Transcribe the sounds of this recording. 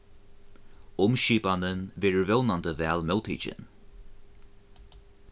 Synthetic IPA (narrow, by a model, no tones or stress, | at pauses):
ʊmʃiːbanənvɪɹvɪlnandəvɛlmɛlˠt̪ʰḭd͡ʒə̰n